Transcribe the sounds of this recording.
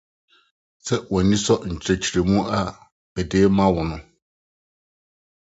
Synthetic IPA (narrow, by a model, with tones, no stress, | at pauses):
sɛ˦wɔ̃˨nĩ˦sɔ˦ɲ̩˨t͡ɕʰɾe˨t͡ɕʰi˨ɾe˨mũ˦ʔa˦ | bɛ˨deː˨˦mã˦wɔ˨nʊ̃˦